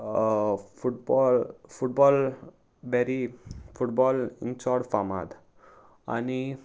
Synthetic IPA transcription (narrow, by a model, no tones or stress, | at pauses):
fuʈbɔlfuʈ̚bɔl | bɛɾifuʈbɔlĩnt͡ɕɔɽfama̰d̪ | a̰ni